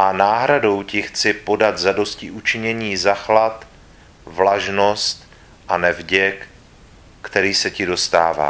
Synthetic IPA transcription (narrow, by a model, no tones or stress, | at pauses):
ʔanaːɦɾado̞wcɪxt͡sɪpo̞dat̪zado̞scɪʔut͡ʃɪɲɛɲiːzaxlat̪ | vlaʒno̞st̪ | ʔanɛvɟɛkː | t̪ɛɾiːsɛcɪdo̞st̪a̰ːva̰ː